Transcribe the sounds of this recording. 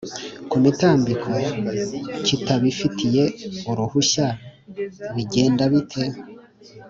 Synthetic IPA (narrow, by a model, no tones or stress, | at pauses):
kumitaːmbikʰo | citaβifitʰije̞uɾuhuɕa | βiɟe̞ːndaβitʰe̞